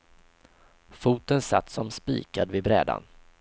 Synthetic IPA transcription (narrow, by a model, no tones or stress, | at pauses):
fuːt̪ənsat̪ːsɔmspḭːkad̪vɪbɾɛ̰ːd̪a̰n